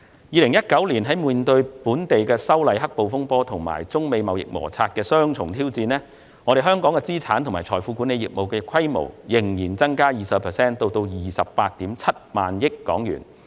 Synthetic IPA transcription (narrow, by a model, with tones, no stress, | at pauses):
jiː˨˧lɪ˨˩ŋjɐ˥t̚kɐ˨˥wliː˨˩nɦɐ˨˥jmuː˨nt̪ɵ˧ɥpuː˨˥nt̪e˨jkɛː˧sɐ˥wlɐ˨jɦɐ˥k̚po˨wfʊ˥ŋpɔː˥t̪ʰʊ˨˩ŋma̰ː˨˩jt͡sʊ˥ŋme˨˧jmɐ˨wjɪ̰˨k̚mɔ̰ː˨˩t͡sʰaː˧t̚kɛː˧sœː˥ŋt͡ʃʰʊ˨˩ŋt̪ʰiː˥wt͡siː˧nlɛː˥ | ŋɔː˨˧ɾe˨jɦœː˥ŋkɔː˨˥ŋkɛ˧t͡siː˥t͡sʰaː˨˥nt̪ʰʊ˨˩ŋmaː˨˩jt͡ʃʰɔː˨˩jfuː˨˧kuː˨˥ne˨˧jḭː˨k̚mo˨wkɛː˧kʰɐ˥jmo̰˨˩wjɪ˨˩ŋjiː˨˩nt͡sɐ˥ŋkaː˥jiː˨sɐ˨˧pʰɛː˨˩sɛː˥nt̪o˧wt̪o˧wjiː˨sɐ˨p̚paː˧t̚t̪iː˨˥mt͡sʰɐ˥t̚ma̰ː˨njɪ˥kːɔ̰ː˨˥ŋjy̰ː˨˩n